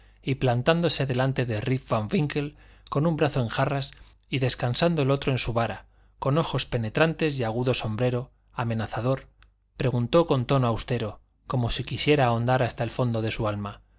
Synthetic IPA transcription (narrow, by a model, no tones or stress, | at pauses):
iplant̪and̪o̞seðe̞lant̪e̞ðeriffaɱfiŋke̞lko̞numbɾaθo̞e̞ŋxaras | iðe̞skansand̪oelo̞t̪ɾoe̞nsuβaɾa | ko̞no̞xo̞spe̞ne̞t̪ɾant̪e̞ziaɣuðo̞so̞mbɾe̞ɾo̞ | ame̞naθað̞o̞ɾ | pɾe̞ɣ̞unt̪o̞ko̞nt̪o̞noawst̪e̞ɾo̞ | ko̞mo̞sikisje̞ɾao̞nd̪aɾast̪aelfo̞nd̪o̞ð̞e̞sualma